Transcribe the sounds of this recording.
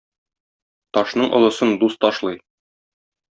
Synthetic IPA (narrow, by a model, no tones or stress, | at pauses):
t̪ɒʃnɤɴʔŏ̰lˠɤ̆sɤnd̪ust̪ɒʃlˠɤj